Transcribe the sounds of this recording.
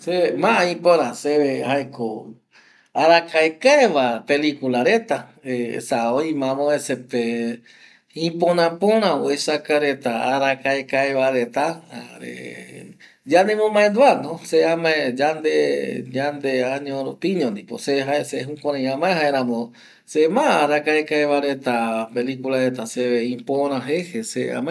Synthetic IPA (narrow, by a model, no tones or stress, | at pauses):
semãʔaĩpõɾãseehaeko | aɾakaekaeʋapelikulaɾet̪aesaoĩmãmõesepe | ĩpõnãpõɾ̃ãoesakaɾet̪aaɾakaekaeβaɾet̪aa̰ɾḛ | d͡ʒand̪emõmãend̪uanõseamãẽd͡ʒand̪ed͡ʒand̪eaɲõɾopĩɲõnd̪ipo̰seɦaeseɦukʷãɾ̃ãjãmãẽɦaeɾãmõ | semãaɾakaekaeβaɾet̪apelikulaɾet̪aseβeĩpõɾ̃ãɦehesea̰mã